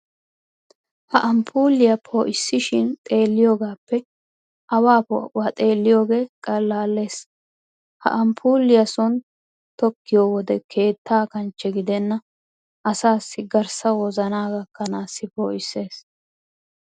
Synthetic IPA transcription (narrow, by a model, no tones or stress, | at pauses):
hɐʔɐmpʰuːlːɪjɐpʰoːʔɪsːɪʃɪnt̪ʼe̞ːlːɪjoːɡaːpːɛ | ʔɐwaːpɔ̰ʊɐt̪ʼe̞ːlːɪjo̞ːɡe̞ːkʼɐlːaːlːe̞ːs | hɐ̰ʔɐmpʰuːlːɪjɐsɔn | t̪ɔkːɪjoːwɔd̪ɛkʰe̞ːt̪ʰːaːkɐnt͡ʃːɛɡɪd̪ɛnːɐ | ʔɐsaːsːɪɡɐɾsɐwɔzɐnaːɡɐkːɐnaːsːɪpo̞ːʔɪsːe̞ːs